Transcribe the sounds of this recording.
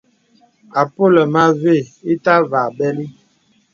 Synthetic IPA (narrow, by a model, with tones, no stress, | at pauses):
a˨po˦lə˨ma˦ve˦˨i˦ta˦va˨bɛ˦li˦